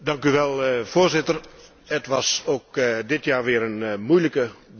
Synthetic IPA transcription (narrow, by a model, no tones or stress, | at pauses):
dɑŋkyʋɛlˠfoːrzɪtər | ətʋɑsoːk̚dɪtjaːrʋɪəɾənmujləkə